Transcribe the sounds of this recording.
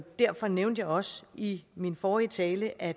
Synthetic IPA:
d̥æɐfɒ̽neʊnd̥jäɪɒ̽siminfɒːiət͡sʰɛːləʔæ̥

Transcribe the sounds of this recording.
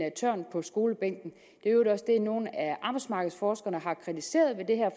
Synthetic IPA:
æt͡sʰø̰ɐnpʰɒ̽sɡ̥o̝ːləb̥eŋ̰ɡ̥n̩ | d̥e̝ød̥ɒ̽sd̥e̝no̝ːn̩æʔɑ̈ːb̥aɪsmɑ̈ɡ̥ð̩ˠsfɒːsɡ̥ɐnəɦɑ̈kʰʁit͡sʰise̝̰ːɐð̞ˠʋe̝d̥e̝ɦæɐ̰f

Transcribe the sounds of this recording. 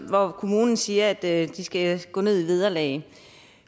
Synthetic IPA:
ʋɒkʰo̝muːnn̩siːɐæd̥d̥isɡ̥æɡ̥ɔ̰ːne̝ð̞̰ˠiʋið̞ˠɐlɛ̰ɪ

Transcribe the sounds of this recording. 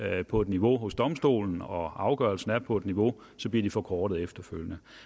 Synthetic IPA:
pʰɒ̽e̝d̥niʋo̝ɦɔ̽sd̥ɒ̽msd̥o̝̰ːln̩ɒ̽ɑ̈ʊɡ̥ɶɐlsn̩æɐpʰɒ̽e̝d̥niʋo̝ | sɒ̽b̥liɐd̥ifɒ̽kʰɒːɾ̥ð̩ˠefd̥ɐføl̰jənə

